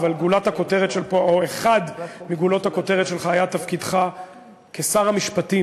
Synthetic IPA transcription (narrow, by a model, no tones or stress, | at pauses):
valɡulathako̞t̪e̞ʁet̪ʃelpooeχad̪miɡulo̞tako̞te̞ʁet̪ʃelχaajat̪afkid̪χa | kesaʁamiʃpati